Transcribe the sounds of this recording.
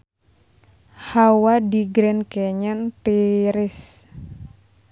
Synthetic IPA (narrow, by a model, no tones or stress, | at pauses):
hawadiɡɾɛnkɛɲənt̪iɾɪs